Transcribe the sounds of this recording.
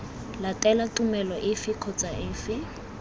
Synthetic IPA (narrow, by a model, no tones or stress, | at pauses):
latʼɛlatʼumɛlɔʔɪfɪkʰɔt͡sʼaʔɪːfɪ